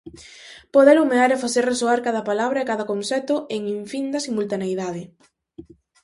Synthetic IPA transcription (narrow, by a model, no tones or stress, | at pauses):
poðelumeaɾefaθeɾresoaɾkaðɐpalaβɾɐekaðɐkonsɛt̪ʊeŋiɱfind̪ɐsimult̪anejðaðɪ